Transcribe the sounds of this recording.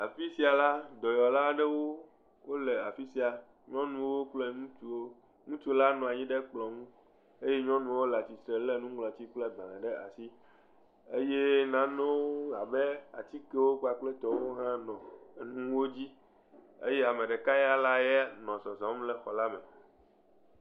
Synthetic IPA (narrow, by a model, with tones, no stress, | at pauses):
a˨fi˦si˦a˨la˦d̪ɔ˨jɔ˨la˦ɖɛ˦wo˦ | wo˦lɛ˨a˨fi˦si˦a˨ | ɲɔ̃˦nũ˦wo˦k͡ple˦ŋũ˦t͡ʃu˦o˦ | ŋũ˦t͡ʃu˦la˦nɔ̃˨a˨ɲĩ˦ɖe˦k͡plɔ˨ŋũ˦ | e˦je˦ɲɔ̃˦nũ˦wo˦lɛ˨a˨t͡ɕi˨t̪ɾe˨le˦nũ˦ɡ͡blɔ˨a˨t͡ɕi˦k͡plɛ˦ɡ͡bã˨lẽ˨ɖɛ˦a̰˨si˦ | e˦je˦nã˦ne˦wo˦a˨be˦a̰˨t͡ɕ̪i˦ke˦wo˦k͡pa˨k͡plɛ˦t̪ɔ˦wo˦ɦã˦nɔ̃˨nũ˦wo˦d͡ʑi˦ | ḛ˦jɛ˦a˨mẽ˨ɖɛ˨ka˦ja˦la˦jɛ˦nɔ̃˨sɔ˨zɔ̃˨˦mlɛ˨xɔ˨la˦mɛ˨